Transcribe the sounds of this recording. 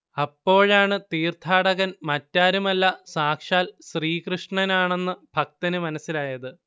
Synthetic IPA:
ɐpːo̞ːɻaːɳɨt̪iːrt̪ʰaːɽɐɣɐnmɐtːaːɾumɐlːɐsaːkʂaːlsriːkrɨʂɳɐnaːɳe̞nːɨbʱɐk̚t̪ɐnɨmɐnɐsːilaːjɐðɨ

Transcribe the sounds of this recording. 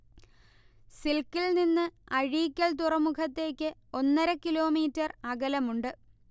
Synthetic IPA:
silkːilninːɨɐɻiːkʲːɐɭt̪̬urɐmukʰɐt̪ːe̞ːkʲːɨo̞nːɐɾɐkilo̞ːmiːtːɐrɐɡɐlɐmuɳɖɨ

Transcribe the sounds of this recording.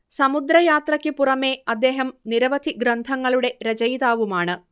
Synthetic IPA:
sɐmud̪ɾɐjaːt̪rɐkʲːɨpurɐme̞ɐd̪ːe̞ːɦɐmniɾɐʋɐd̪ʱiɡɾɐnd̪ʱɐŋːɐɭuɽe̞ɾɐd͡ʑɐjðaːʋumaːɳɨ

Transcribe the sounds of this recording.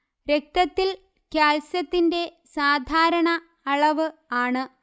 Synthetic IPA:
ɾek̚t̪ɐt̪ːil | kjaːlsɐt̪ːinde̞ | saːd̪ʱaːɾɐɳɐ | ɐɭɐʋɨaːɳɨ

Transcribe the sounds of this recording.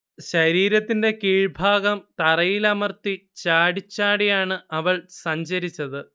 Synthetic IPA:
ɕɐɾiːɾɐt̪ːinde̞kiːɻbʱaːɣɐmt̪ɐrɐjilɐmɐrt̪it͡ɕaːɽit͡ɕːaːɽijaːɳɨɐʋɐɭsɐɲd͡ʑɐɾit͡ɕːɐðɨ

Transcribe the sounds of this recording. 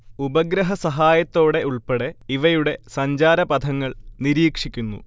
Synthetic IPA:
ubɐɡɾɐɦɐsɐɦaːjɐt̪ːo̞ːɽe̞uɭpeɽeiʋɐjuɽe̞sɐɲd͡ʑaːɾɐbɐd̪ʰʱɐŋːɐɭniɾiːkʂikʲːunːṵ

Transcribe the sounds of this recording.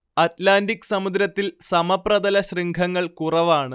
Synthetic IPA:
ɐtlaːndikːsɐmud̪ɾɐt̪ːilsɐmɐprɐd̪ɐlɐɕriŋɡʱɐŋːɐɭkurɐʋaːɳɨ

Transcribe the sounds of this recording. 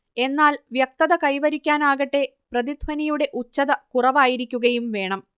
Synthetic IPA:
e̞nːaːlʋjɐk̚t̪ɐðɐkɐjʋɐɾikʲːaːnaːɣɐʈːe̞ | prɐðid̪ʱʋɐnɐjuɽe̞ʔut͡ɕːɐðɐkurɐʋaːjiɾikʲːuɣɐjumʋe̞ːɳɐm

